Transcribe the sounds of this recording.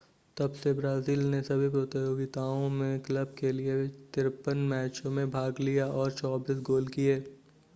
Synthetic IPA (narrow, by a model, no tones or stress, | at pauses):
t̪ɐbsebɾaːziːlnesɐbʱipɾot̪joːɡɪt̪aːõmẽkləb̚keliet̪ɪɾpənmɛːt͡ʃõmẽbʱaːɡlijaɔːɾt͡ʃɔːbiːsɡoːlkieː